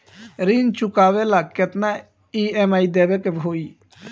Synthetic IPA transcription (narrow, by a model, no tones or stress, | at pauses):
ɾint͡ʃukaːʋelaket̪na | iemaːid̪ebekebʱoi